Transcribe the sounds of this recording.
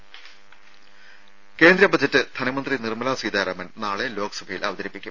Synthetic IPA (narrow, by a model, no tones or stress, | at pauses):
ke̞ːnd̪ɾɐbɐd͡ʑɐtːɨd̪ʱɐnɐmɐnd̪rinirmɐlasiːd̪aːɾɐmɐnnaːɭe̞lo̞ːkɐ̥sɐbʱɐjilʔɐʋɐd̪ɐɾipːikʲːum